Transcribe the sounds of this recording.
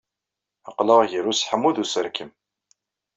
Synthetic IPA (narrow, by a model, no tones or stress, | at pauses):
əqləʁʝəɾusħəmːuðusəɾkʰəm